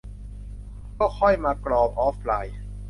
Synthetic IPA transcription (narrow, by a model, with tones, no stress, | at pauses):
kɔː˥˩kʰɔ˥˩jmaː˧klɔː˧p̚ʔɔː˦˥flaː˧j